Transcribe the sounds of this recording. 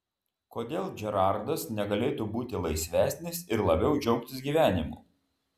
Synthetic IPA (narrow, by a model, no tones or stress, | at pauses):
koːd̪ʲeːlˠd͡ʒʲɛɾɑˑɾd̪ɐsnʲɛɡɐlʲeːt̪uːbuːt̪ʲɪlˠɐɪsʲʋʲæːsʲnʲɪsɪɾlˠɐbʲɛʊd͡ʒʲɛʊkt̪ʲɪsɡʲiːʋʲæːnʲɪmṵː